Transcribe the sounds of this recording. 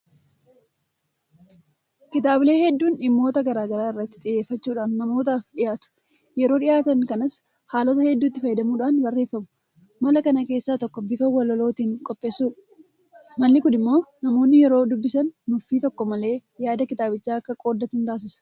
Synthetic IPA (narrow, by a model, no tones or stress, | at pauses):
kɪt̪aːbɪle̞ːhɛd̪ːuːnɪmːo̞ːt̪ɐɡɐɾaːɡɐɾaːɪrːɐt̪ːɪ̥t͡ʃʼɪjeːfːɐt͡ʃːuːᶑaːnːɐmo̞ːt̪aːfᶑɪjaːt̪ʊ̥ | jɛɾo̞ːᶑɪjaːt̪ɐŋkɐnɐs | haːlɔt̪ɐhɛd̪ːuːt̪ːɪfɐjɪd̪ɐmuːᶑaːnbɐrːe̞ːfːɐmʊ̥ | mɐlɐkɐnɐke̞ːsːaːt̪ɔkːɔbɪfɐwɐlɔlo̞ːt̪iːŋkʼɔpʼːe̞ːsuːᶑɐ̥ | mɐlːɪkʊnɪmːo̞ːnɐmo̞ːnːɪjɛɾo̞ːd̪ʊbːɪsɐnːʊfiːt̪ɔkːɔmɐle̞ːjaːd̪ɐkɪt̪aːbɪt͡ʃːaːɐkːɐkʼo̞ːd̪ːɐt̪ʊnt̪aːs̬ɪsɐ̥